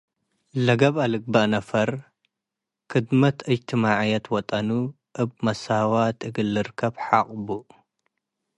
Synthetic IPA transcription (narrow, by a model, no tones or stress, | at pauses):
lɐɡɐβalɨɡ̚bɐʔnɐfɐɾ | kʰɨd̪mɐt̪ʰɐjt̪ʰimaʕjɐt̪wɔt̪ʼɐnu | ʔɨbmɐsawat̪ʼɨɡɨlːɨɾkʰɐbħaχʼbu